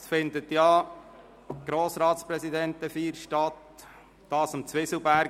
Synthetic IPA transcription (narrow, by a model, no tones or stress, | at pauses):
sfɪndətjɑː | ɡ̥ɾoːsɾɑːt̪spɾɛsidɛntəfiːɾʃtɑt | d̥ɑːsəmt͡sʋɪsl̩bæɾ